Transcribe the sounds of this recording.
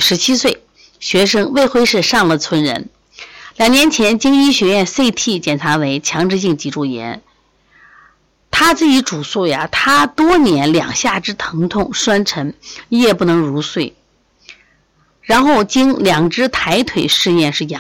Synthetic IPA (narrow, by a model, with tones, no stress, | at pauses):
ʂɻ̩˧˥t͡ɕʰi˥swe˥˩ɪ | ɕɥɛ˧˥ʂɤ˥ŋwe˥˧ɪxwe˥ɪʂɻ̩˥˩ʂɑ˥˩ŋlə˩t͡sʰwə˧˥nɻə̰˧˥n | ljɑ˨˩ŋnjɛ˧˥nt͡ɕʰjɛ˧˥nt͡ɕi˥ŋi˥ɕɥɛ˧˥jɥɛ˥˧nse˥˧ɪt̪ʰi˥˩t͡ɕjɛ˨˩nʈ͡ʂʰa˧˥we˧˥ɪt͡ɕʰjɑ˧˥ŋʈ͡ʂɻ̩˥˧ɕ̬i˥˩ŋt͡ɕi˧˥ʈ͡ʂu˥˩jɛ̰˧˥n | t̪ʰa˥t͡sɹ̩˥˩t͡ɕi˧˥ʈ͡ʂu˨˩su˥˩ja˩t̪ʰa˥t̪wɔ˥njɛ˧˥nljɑ̰˨˩ŋɕja˥˩ʈ͡ʂɻ̩˥t̪ʰɤ˧˥ŋt̪ʰʊ˥˩ŋʂwa˥nʈ͡ʂʰə˧˥n˥jɛ˥˧˩pu˥˩nɤ˧˥ŋɻu˧˥swe˥˩ɪ | ɻa˧˥nxo˥˩ʊt͡ɕi˥ŋljɑ˨˩ŋʈ͡ʂɻ̩˥t̪ʰa˧˥ɪt̪ʰwe˨˩ɪʂɻ̩˥˧jɛ˥˧nʂɻ̩˥˩j